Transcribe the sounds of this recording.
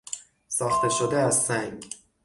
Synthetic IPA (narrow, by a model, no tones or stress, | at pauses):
sɒːxt̪ʰe̞ʃod̪eæzsæŋɡ